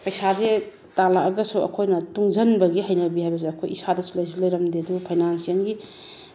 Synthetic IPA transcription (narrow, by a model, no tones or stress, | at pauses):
pɐjsaze | talakɐɡɐsuɐ̰kʰojnɐtuŋd͡ʒɐnbɐɡiɦɐjnɐbihajbɐs̬eɐkʰojisadɐsulɐjs̬ulɐjɾɐmdedupʰajnansijɐnɡi